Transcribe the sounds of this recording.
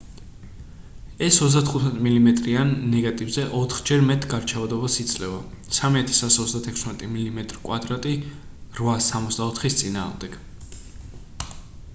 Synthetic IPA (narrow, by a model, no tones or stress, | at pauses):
ɛsɔt̪sʰd̪at̪ʰχut̪ʰmɛt̪ʼmilimɛt̪ʼɾianːɛɡat̪ʼivzɛʔɔt̪ʰχd͡ʒɛɾmɛt̪ʰʼɡaɾt͡ʃʰavad̪ɔbasit̪sʼlɛva | samiat̪ʰɛ̥sasɔt̪sd̪at̪ʰɛkʰsmɛt̪ʼimilimɛt̪ʼɾkʼwad̪ɾat̪ʼiɾvasamɔt̪sd̪aɔt̪ʰχist̪sʼina̰ːʁmd̪ɛɡ̥